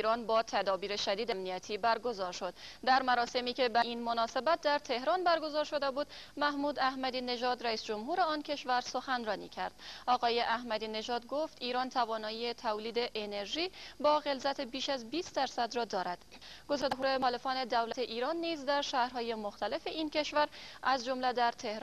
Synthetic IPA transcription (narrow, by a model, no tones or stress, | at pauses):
iɾɒːnbɒːt̪ʰæd̪ɒːbiːɾe̞ʃæd̪iːd̪æmnijæt̪ʰiːbæɾɡo̞zɒːɾʃo̞d̪̥d̪æɾmæɾɒːse̞miːcʰe̞bæʔinmo̞nɒːse̞bæt̪̚d̪æɾt̪ʰe̞hɾɒːnbæɾɡo̞zɒːɾʃo̞d̪e̞buːd̪mæhmuːd̪æhmæd̪iːne̞ʒɒːd̪ɾæiːsd͡ʒomɦuːɾeɒːncʰe̞ʃvæɾso̞xænrɒːnḭːcʰæ̰ɾd̪̥ʔɒːɣɒːjeʔæhmæd̪iːne̞ʒɒːd̪ɡo̞ft̪iːɾɒːnt̪ʰævɒːnɒːjiet̪ʰævliːd̪e̞ʔene̞ɾʒiːbɒːɣe̞lzæt̪ʰe̞biːʃæzbiːst̪d̪æɾsæd̪ɾɒːd̪ɒːɾæd̪̥ | ɡ̥o̞zɒːd̪ɦuːɾe̞ːle̞fɒːne̞d̪æwlæt̪ʰeʔiːɾɒːnːiːzd̪æɾʃæːhɾhɒːje̞mo̞xt̪æle̞fe̞iːnce̞ʃvæɾæzd͡ʒo̞mlæd̪æɾt̪ʰe̞hɾ